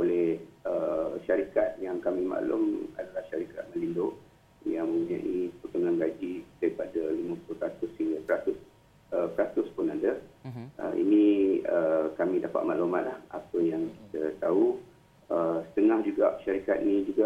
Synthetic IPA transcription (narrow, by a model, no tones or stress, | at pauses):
olɛhəʃaɾikat̪̚jaŋkamĩma̰lʊ̰ma̰dalahʃaɾikat̪̚mə̃lindʊʔ | jaŋmə̃ŋɡuɲã̰ʔiput̪uŋanɡad͡ʒidaɾipadalimə̃puluhpɾat̪ʊshiŋɡəpəɾat̪ʊs | əpəɾat̪ʊspʊnadəʔə̰ḭnĩəkamĩdapa̰t̪̚ma̰ʔloma̰t̪̚lahapəjaŋki̥t̪ət̪au | əsə̥t̪əŋahd͡ʒuɡaʔʃaɾikat̪̚nĩd͡ʒuɡaʔ